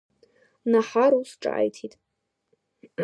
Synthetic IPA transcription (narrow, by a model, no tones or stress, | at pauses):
naħaɾusʈ͡ʂʼa̰a̰jtʰitʼ